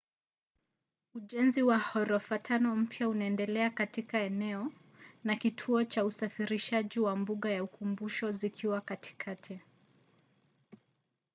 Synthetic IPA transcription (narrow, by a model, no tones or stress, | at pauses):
uʄɛnziwahɔɾɔfatʰanɔm̩pjaunaɛndɛlɛakatikaɛnɛɔ | nakitʰuɔt͡ʃausafiɾiʃaʄiwambuɠajaukumbuʃɔzikʰiwakatʰi̥kʰatʰi